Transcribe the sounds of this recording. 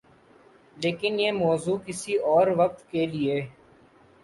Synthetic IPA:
leːkɪnjeːmɔːzuːkɪsiɔːɾʋək̚t̪kelɪeː

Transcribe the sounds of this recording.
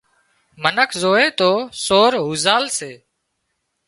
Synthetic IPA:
mənəkʰzoːeːt̪oːsoːɾɦuːzaːlseː

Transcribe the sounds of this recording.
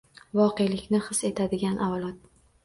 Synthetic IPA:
vɒqejlɪkʲnɪχɨse̞t̪ʰad̪ɪɡʲanʔavlˠɒt̪̚

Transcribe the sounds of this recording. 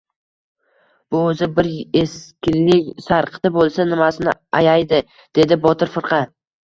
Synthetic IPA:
b̥ʊɵzɪbɪɾeskʲɪllɪkʲsaɾqʰɨ̥t̪abolˠsanɪmasɪnɪajajd̪ɪ | d̪̥e̞d̪ɪbɒt̪ʰɪɾfɪɾqʰɑ

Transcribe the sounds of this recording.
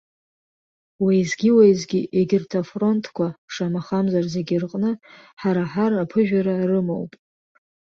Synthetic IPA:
wajzɡʲiwaizɡʲiʔeɡʲɪrtʰafro̞ntʰkʷʰaʂamaχamzarze̞ɡʲirqʼnɨ | ħaɾaħarapʰɨʒᶣaɾarɨmo̰wpʼ

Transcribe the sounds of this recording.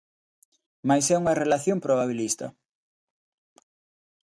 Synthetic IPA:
majsɛuŋɐrelaθjompɾoβaβ̞ilist̪ɐ̰

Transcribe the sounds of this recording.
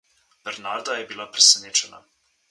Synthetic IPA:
b̥ɛɾnaɾd̪ajɛbilapɾesɛneːt͡ʃɛna̰

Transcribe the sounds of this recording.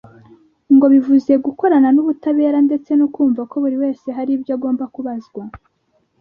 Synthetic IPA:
ŋɡo̞βivuze̞ɡuko̞ɾananuβutaβe̞ːɾande̞t͡se̞nukuːɱvako̞βuɾiwe̞ːse̞ɦaɾibjoːɡo̞ːmbakuβazɡwa

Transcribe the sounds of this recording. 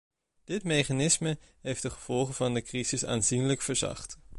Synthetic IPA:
d̥ɪtmejχanɪsmə | ɦejftdəχəv̥ɔlˠχəvɑndəkrizɪsa̰ːnzinləkfəɹzɑ̰χt

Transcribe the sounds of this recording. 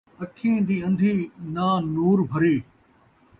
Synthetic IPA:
ɐkʰĩːd̪iːɐ̃nd̪ʱiːnaːnuːɾbʱɐɾiː

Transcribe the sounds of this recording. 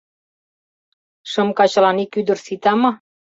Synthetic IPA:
ʃə̆mkɑt͡ɕɑlɑnikyd̪ə̆rsit̪ɑmɑ

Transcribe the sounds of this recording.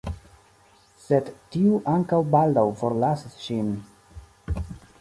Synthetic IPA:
sedtiuʔaŋkawbaldawfo̞ɾlasisʃin

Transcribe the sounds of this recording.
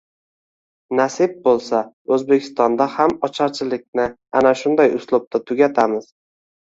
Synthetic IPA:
nasɪb̚bolˠsa | ɵzbe̞kʲʰɪ̥st̪ɒnd̪ahamɒt͡ʃʰaɾt͡ʃʰɪlɪkʲnɪ | anaʃʊnd̪ajʊslˠʊb̪̚at̪ʰʊɡʲat̪ʰamɪz̥

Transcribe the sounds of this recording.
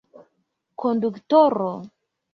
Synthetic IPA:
konduktoɾo

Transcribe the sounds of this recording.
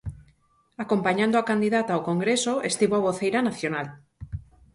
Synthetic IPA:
ako̞mpaɲãnd̪oakand̪iðat̪aːwkoŋɡɾesoest̪iβoaβ̞oθejɾanaθjonal

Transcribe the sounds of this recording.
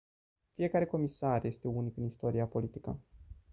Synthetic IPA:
fije̞kaɾe̞ko̞misarje̞st̪e̞unikɨnist̪o̞ɾiapo̞lit̪ikə̰

